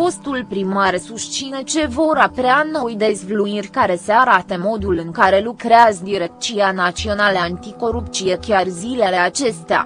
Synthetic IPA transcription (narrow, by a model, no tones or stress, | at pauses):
fo̞st̪ulpɾimaɾsust͡ʃinet͡ʃe̞voɾapɾeano̞jd̪e̞zvluirʲkaɾe̞seaɾat̪əmo̞d̪ulɨŋkaɾe̞lukɾeazəd̪iɾekt͡ʃianat͡ʃio̞naləant̪iko̞ɾup̚t̪sijekʲarzile̞le̞at͡ʃe̞st̪ea̰